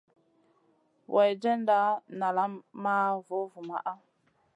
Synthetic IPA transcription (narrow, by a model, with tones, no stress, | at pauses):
wʔa˨jd͡ʒɛ˦nda˦na˨la˦mma˦vo˨˦vu˨ma̰˦˨ʔa˦